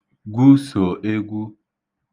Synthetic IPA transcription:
ɡʷu˦so˨ʔe˦ɡʷu˦

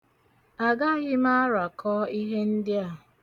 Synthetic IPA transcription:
a˨ɡa˦ɣɪ˦ma˦a˦ɾa˨kʰɔ˦i˦ɦe˦n̩˦dɪ˦a˦˨

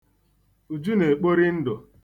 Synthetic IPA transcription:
u˨d͡ʒu˦ne˨k͡po˦ɾi˦n̩˦dʊ˨

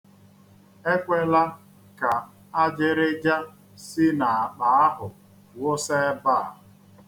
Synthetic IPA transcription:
e˦kʷe˦la˦ | ka˨ | a˦d͡ʒɪ˦ɾɪ˦d͡ʒa˦ | sɪ˦na˨a˨k͡pa˨a˦ɦʊ˨ | wo˦se˦ba˦˨

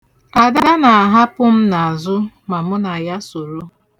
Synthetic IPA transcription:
a˨da˦da˦na˨a˨ɦa˦pʊ˦m̩˦na˨a˨zʊ˦ | ma˨mʊ˦na˨ja˦so˨ɾo˦

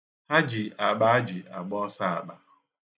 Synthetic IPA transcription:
ha˦d͡ʒi˨a˨ɡ͡ba˦a˦d͡ʒi˨a˨ɡ͡bɔ˦sa˦a˨ɡ͡ba̰˨

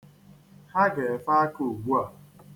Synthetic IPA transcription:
ha˦ɡe˨fa˦a˦ku˨ɡ͡bu˦a˨

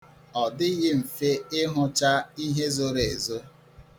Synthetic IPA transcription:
ɔ˨dɪ˦ɣɪ˦m̩˨fe˦ɪ˦ɦʊ˦t͡ʃa˦i˦ɦe˦zo˦ɾe˨e˨zo˦

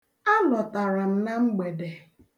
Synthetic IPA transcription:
a˦lɔ˨ta˨ɾa˨m̩˨na˦ŋ͡m̩˦ɡ͡be˨de˨

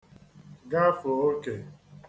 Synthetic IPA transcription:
ɡa˦fo˨o˦ke˨

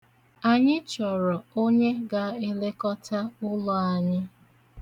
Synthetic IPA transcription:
a˨ɲɪ˦t͡ʃɔ˨ɾɔ˨o˦ɲe˦ɡa˨e˦le˦kɔ˦ta˦ʊ˦lɔ˦a˨ɲɪ˦

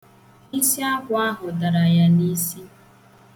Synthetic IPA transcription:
ni˦si˦a˦kʷʊ˨a˦ɦʊ˨da˨ɾa˨ja˨ni˦si˦

